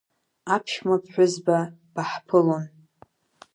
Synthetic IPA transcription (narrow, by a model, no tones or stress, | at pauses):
apʰʃmapʰħʷᶣʊzbab̥aħpʰɨlon